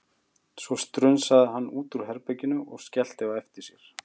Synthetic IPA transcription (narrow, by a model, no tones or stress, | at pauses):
svɔst̪ɾʏnsaðɪɦanːuːt̪uɾ̥ɦɛɾpɛcːɪnʏʔɔɣscɛl̥t̪ɪaɛft̪ɪɾ̥sjɛɾ̥